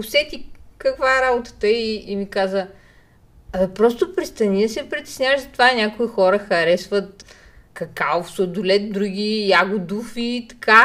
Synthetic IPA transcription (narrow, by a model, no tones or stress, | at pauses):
ʊsɛt̪ʲikɐkvaɛɾabʊt̪ə̥t̪əiːmikazə | ɐipɾɔst̪opɾist̪ɐnid̪ɐsɛpɾit̪ɛ̥snʲjavəʒzɐt̪vaɛnʲakoixɔɾəxɐɾɛsvət̪̚kɐkaofsod̪ʊlɛt̪̚d̪ɾuɡ̟ʲijaɡʊd̪ufit̪ɐ̥kʰa